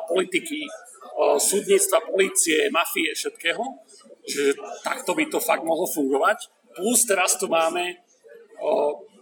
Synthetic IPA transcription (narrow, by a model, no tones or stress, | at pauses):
pɔlit̪iki | suːd̪ɲiːt͡st̪ʋapɔliːt͡siɛmafiɛfʃɛt̪kɛːɦɔ | ʒɛʒɛt̪a̰kt̪ɔbit̪ɔfaɡ̚d̪mɔɦlɔfuŋɡɔʋac | plust̪ɛɾast̪umaːmɛ